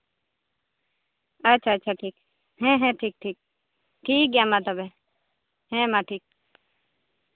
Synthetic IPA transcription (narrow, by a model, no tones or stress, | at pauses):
ətːʃʰaətːt͡ʃʰaʈʰiːk̚ | ɦɛ̃ɦɛ̃ʈʰiːk̚ʈʰiːk̚ | ʈʰiːk̚ɡjamat̪əbe | ɦɛ̃maʈʰiːk̚